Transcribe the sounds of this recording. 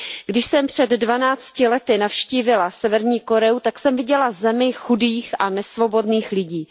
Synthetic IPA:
ɡdɪʃsɛmpr̝̥ɛd̪ːvanaːt͡scɪlɛt̪ɪnafʃciːvɪlasɛvɛɾɲiːko̞ɾɛut̪aksɛmvɪɟɛlazɛmɪxudiːxʔanɛsvo̞bo̞dniːxlɪɟiː

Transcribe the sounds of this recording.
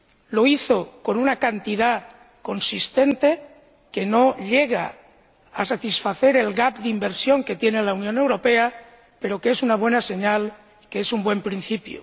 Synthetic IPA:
lo̞iθo̞ko̞nunakant̪iða | ko̞nsist̪e̞nt̪e̞ | ke̞no̞ʎe̞ɣ̞a̰ | asat̪isfaθe̞ɾe̞lɣap̚d̪imbe̞ɾsjo̞ŋke̞t̪jenelaunjõ̞ne̞wɾo̞pe̞a | pe̞ɾo̞kee̞sunaβwe̞nase̞ɲal | keesumbwe̞mpɾin̟θipjṵ

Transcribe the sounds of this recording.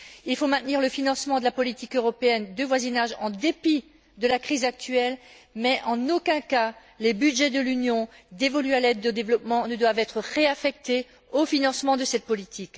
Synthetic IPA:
ilfomɛ̃t̪niʁləfinɑ̃smɑ̃d̪əlapɔlit̪ikøʁɔpeɛnd̪əvwazinaʒɑ̃d̪epi | d̪əlakχizak̚t̪ɥɛl | mɛʔɑ̃nokɛ̃ka | lebyd̪ʒɛd̪əlynjɔ̃d̪evɔlyalɛd̪od̪evlɔpmɑ̃nəd̪wavɛt̪χəʁeafɛk̚t̪e | ofinɑ̃smɑ̃d̪əsɛt̪̚pɔlit̪ʰik

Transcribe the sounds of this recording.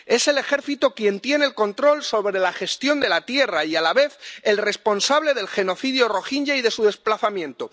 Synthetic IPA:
e̞se̞le̞xe̞ɾθit̪okje̞nt̪je̞neːlko̞nt̪ɾo̞lso̞βɾe̞laxe̞st̪jo̞nd̪e̞lat̪je̞raialaβe̞θe̞lre̞spo̞nsaβle̞ðe̞lxe̞no̞θið̞joro̞xiɲʝaiðe̞suðe̞splaθamjẽ̞nt̪o

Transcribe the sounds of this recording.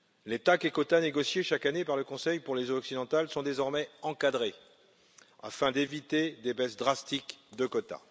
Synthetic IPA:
let̪akekɔt̪aneɡɔsjeʃakanepaʁləkɔ̃sɛjpuʁlezoɔksid̪ɑ̃t̪alsɔ̃d̪ezɔʁmɛɑ̃kad̪ʁe | a̰fɛ̃d̪evit̪ed̪ebɛsd̪ʁast̪ikd̪əkɔt̪a̰

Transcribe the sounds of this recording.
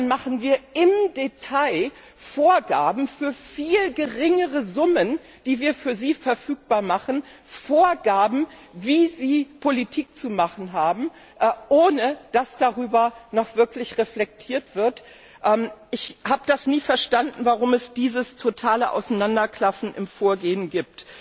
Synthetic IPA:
anmaχn̩viːɐɪmdetʰaɪ | foːɐɡaːbm̩fyːɐfiːlɡəʁɪŋəʁəzʊmən | d̥iːviːɐfyːɐziːfɛɐfyːk̚b̥aːɐmaχn̩ | foːɐɡaːbm̩viːziːpʰolitʰiːk̚t͡sumaχn̩ɦaːbm̩ | ʔʔoːnəd̥asd̥aʁyːbɐnɔχv̥ɪɐklɪçʁeflɛk̚tʰiːɐtv̥ɪɐt | ʔɛːmʔɪçhaːbədasniːfɛɐʃtandn̩vaʁʊmɛsd̥iːzəstʰotʰaːləʔa̰ʊsanandɐkʰl̥afn̩ʔɪmfoːɐɡeːənɡiːp̚t

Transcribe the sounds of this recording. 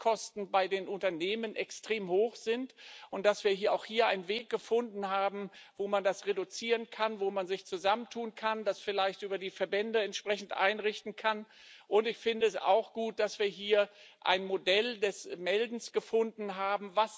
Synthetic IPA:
kʰɔstn̩baɪdeːnʔʊntɐneːmənʔɛkstʁ̥eːmhoːxz̥ɪntʔʊnt̚d̥asv̥iːɐɦiːɐʔaʊxhiːɐʔaɪnənveːk̚ɡ̥əfʊndn̩ɦaːbm̩voːmandasʁedut͡siːʁənkʰanvoːmanzɪçt͡suzaməntʰuːnkʰandasfɪlaɪçtʔyːbɐdiːfɛɐbɛndəɛntʃpʁ̥ɛçn̩tʔa̰ɪnʁɪçtn̩kʰanʔʊntɪçfɪndəɛsa̰ʊxɡ̥uːt̚d̥asv̥iːɐɦiːɐʔa̰ɪnmodɛldɛsmɛldn̩sɡ̥əfʊndn̩ɦaːbm̩vas

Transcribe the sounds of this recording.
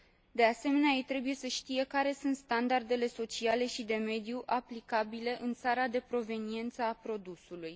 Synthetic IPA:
d̪e̞ase̞me̞neajejt̪ɾe̞buje̞səʃt̪ije̞kaɾe̞sunt̪st̪and̪ard̪e̞le̞so̞t͡ʃiale̞ʃid̪e̞me̞d̪juʔaplikabile̞ʔɨnt̪saɾad̪e̞pɾo̞ve̞nie̞nt̪səapɾo̞d̪usuluj

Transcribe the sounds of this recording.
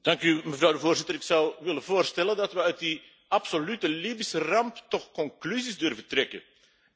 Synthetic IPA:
d̥ɑŋkyməvrɑwdəvoːrzɪtəɾɪksʌwʋɪləvoːrstɛləndɑtʋəœɥt̚di | ɑpsolytəliːbisərɑmptɔχkɔŋklyzizdɵrvəntrɛkə̰n

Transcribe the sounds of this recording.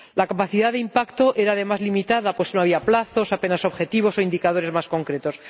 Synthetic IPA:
lakapaθiðaðeimpakt̪o̞ʔe̞ɾaːðe̞mazlimit̪að̞apwe̞snoaβ̞iaplaθo̞sape̞naso̞βxe̞t̪iβ̞o̞so̞ind̪ikað̞o̞ɾe̞zmasko̞ŋkɾe̞t̪o̞s

